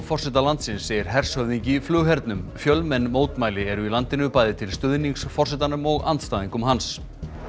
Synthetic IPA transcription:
fɔr̥sɛt̪alant̪sɪnsːeːjɪɾ̥ɦɛr̥shœɥðiɲciflʏːɣɦɛɾt̪nʏmfjœlmɛnːmoːwt̪maːjlɪɛɾʏilant̪ɪnʏpaːjðɪt̪ʰɪlst̪ʏðniŋksfɔrsɛt̪anʏmɔɣa̰nt̪st̪aːðiŋkʏmhans

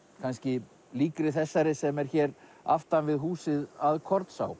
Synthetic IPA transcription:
kʰanscɪ | liːkɾɪθɛsːaɾɪsɛmɛɾ̥çɛːɾ | a̰ft̪anvɪðɦuːsɪðaðkʰɔɾt̪sa̰w

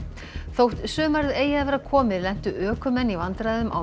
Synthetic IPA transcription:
θowht̪sʏːmaɾðeːjaaðvɛːɾakʰɔːmɪðlɛn̥t̪ʏʔœːkʏmɛnːivant̪ɾajðʏmʔa̰

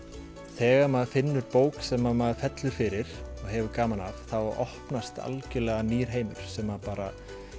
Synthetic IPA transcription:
θɛːɣamaðfɪnːʏɾpoːwksɛmaðmaðfɛt̪lʏɾ̥fɪɾɪɾ̥ɔɣɦɛvʏɾkaːmanavθawɔhpnast̪a̰lcɪlɛɣaniːɾ̥ɦeːjmʏɾ̥sɛmapaːɾa

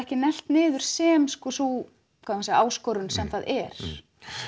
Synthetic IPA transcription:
ɛhcɪnɛl̥t̪nɪːðʏɾ̥sɛːmskɔːsu | kʰvaanseːaːwskɔɾʏnsɛmθaðɛɾ̥

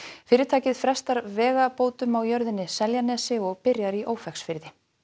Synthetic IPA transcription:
fɪːɾɪt̪ʰaːcɪðfɾɛst̪aɾvɛːɣapoːwt̪ʏmawjœɾðɪnːɪsɛljanɛsɪɔɣpɪɾjaɾiʔoːwfɛxsfɪɾðɪ

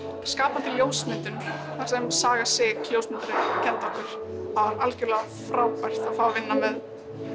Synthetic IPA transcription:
skaːpant̪ʰɪljoːwsmɪːt̪ʏnθaɾ̥sɛmsaːɣasɪːkljowsmɪnt̪aɾɪcʰɛnt̪ɔhkʏɾ̥ | havaɾalcɪɾlɛːɣa | fɾaːwpajr̥t̪aðfaːwavɪnːamɛð

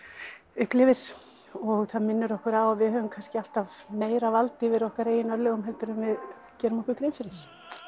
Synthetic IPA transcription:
ʏhklɪvɪɾ̥ | ɔɣθaðmɪnːʏɾɔhkʏɾawavɪhœːvʏmkʰanscɪal̥t̪avmeːjɾavalt̪ɪvɪɾɔhkaɾeːjɪnœɾlɛɣʏmɦɛlt̪ʏɾʏmvɪð | cɛːɾɪmɔhkʏkɾejnfɪɾɪs

